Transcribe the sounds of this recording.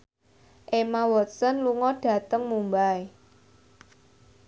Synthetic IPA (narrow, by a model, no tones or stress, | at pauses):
ʔemawɔt̪sənluŋɔɖ̥ä̤t̪əŋmumbae